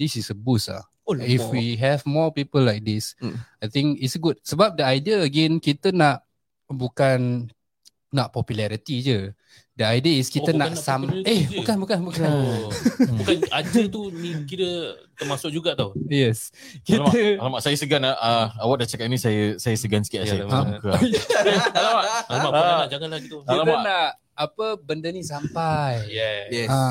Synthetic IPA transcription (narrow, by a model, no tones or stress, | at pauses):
disisəbusa̰ | oifwiɦɛvmɔpipəlːajk̚disajt̪ɪ̃ŋkitsɡut̚səbap̚dəajdiəːɡɛ̃nkit̪ənaʔ | bukanː | aʔpɔpjulɛɾit̪id͡ʒə | dəajdiəiskiənasameukanbukanbuka | bukanad͡ʒət̪unikiɾə | t̪əmasʊk̚d͡ʒuɡaʔt̪awjɛs | kit̪alamaʔsajəsəɡanaəawaʔ̚dat͡ʃakat̚nisajəsajəsəɡansə̥kaʔsajəamkəjalamaʔlamaʔamaʔd͡ʒaŋanlaɡit̪uilatmənaʔ | apəbəndənĩsampajjɛjɛ